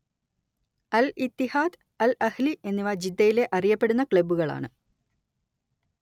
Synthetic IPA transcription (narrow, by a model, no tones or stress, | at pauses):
ɐlit̪ːihaːd̪ | ɐlɐhliʔe̞nːiʋɐd͡ʑid̪ːɐjile̞ʔɐrijɐpːe̞ɽunːɐkɭebuɣɐɭa̰ːɳɨ